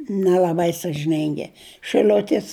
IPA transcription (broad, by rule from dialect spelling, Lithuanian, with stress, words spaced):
nʲɛlʲɐˈbɐɪ sɐʒʲɪˈnʲɪŋʲɡʲɪ ʃɨˈlʲʊtʲɪs